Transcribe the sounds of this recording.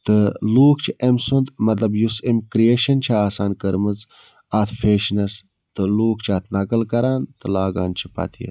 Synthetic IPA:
t̪ɨluːkt͡ʃʰiʔemsund̪mɐt̪̬lɐbjusemkɾijeːʃɐnt͡ʃʰaaːsaːnkəɾmɨz | at̪ʰfeːʃnɐs | t̪ɨluːkt͡ʃʰaːt̪ʰnɐkɐlkɐɾaːnt̪ɨlaːɡa̰ːnt͡ʃʰi̥pɐ̰t̪ʰiḛ

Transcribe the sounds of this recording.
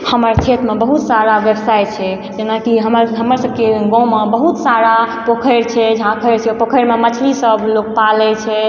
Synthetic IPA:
həməɾt͡ʃʰet̪mebəɦut̪saɾaʋjəbsajt͡ʃʰɛ | d͡ʒenakiɦəməɾɦəməɾsəb̚keɡɔ̃mebəɦut̪saɾapokʰəɾt͡ʃʰɛd͡ʒʱãkʰəɾt͡ʃʰɛpokʰəjɾmemət͡ʃʰlisəbʱlok̚palɛt͡ʃʰɛ

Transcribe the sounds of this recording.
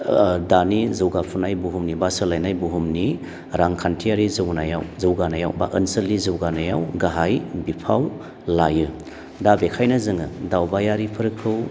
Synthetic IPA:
danizɯwɡapʰunajbuɦumnibasɯlajnajbuɦumni | ɾaŋkʰantʰijaɾizɯwnaja̰wzɯwɡanaja̰wba̰ʔənsɐlːizɯwɡanajawɡaɦajbipʰaw | lajɯ | dabekʰajnɐzɯŋɯdawbajaɾipʰɯɾɯkʰːɯw

